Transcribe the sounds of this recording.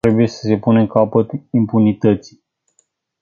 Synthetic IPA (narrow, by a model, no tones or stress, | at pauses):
ɾe̞buje̞sə̥se̞puneŋkapət̪impunit̪ət̪si̥